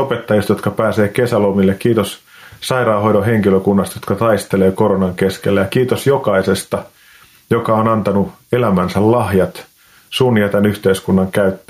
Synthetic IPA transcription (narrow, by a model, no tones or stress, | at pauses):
opet̪ːɑjɑst̪jo̞t̪kɑpæːseːkesælomilːekkiːt̪os | sɑiɾɑːɦoiɾoɦeŋkiløkunːɑst̪jot̪kɑt̪ɑist̪eleːkoɾonɑŋkeskelːæjɑkiːt̪osjokɑisest̪ɑ | jokɑonɑnt̪ɑnu | elæmænsællɑhjɑt̪ | suːnːiɑt̪ænyht̪eiskunːɑŋkæyt̪ːæ